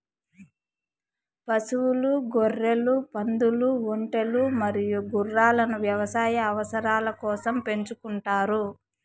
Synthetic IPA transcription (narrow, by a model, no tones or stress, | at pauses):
pɐsuwuluɡorːe̞lupɐnd̪uluoɳʈe̞lumɐɾijuɡurːaːlɐnuʋjɐʋɐsaːjɐːʋɐsɐɾaːlɐkɔːsɐmpe̞ɲt͡ʃukuɳʈaːɾu